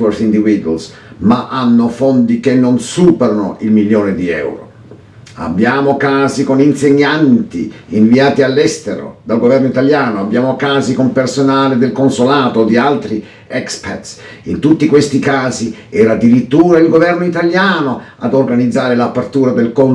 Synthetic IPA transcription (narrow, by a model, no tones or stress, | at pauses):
orsind̪ivid̪uwa̰ls | maʔanːofond̪ikenːonsuːpɛɾano̰ʔilmiljoːned̪iɛ̰wɾo̰ | a̰bːjaːmokaːzikoninseɲːant̪iiɱviaːt̪ialːɛst̪eɾo̰d̪alɡovɛrnoit̪aljaːnoabːjaːmokaːzikompersonaːlɪd̪elkonsolaːt̪od̪ialt̪ɾi | ɛkspɛrt̪s | int̪ut̪ːikwest̪ikaːzi | ɛɾad̪ːiɾit̪ːuːɾailɡovɛrnoit̪aljaːnoad̪orɡanid̪zːaːɾɪlapːert̪uːɾad̪elkon